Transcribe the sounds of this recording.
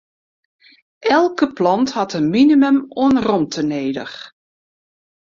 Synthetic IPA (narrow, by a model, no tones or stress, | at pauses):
ʔɛlˠkəplɑnthɑtənminiməmoənrɔmtʰəneːdə̰x